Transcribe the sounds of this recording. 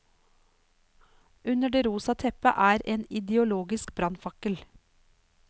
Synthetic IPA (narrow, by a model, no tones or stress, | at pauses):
ʉnəɖeːɾuːsɑt̪ʰɛpə̰ʔæːɾeːnɪd̪ɛʊloːɡɪskbɾɑnfɑkəl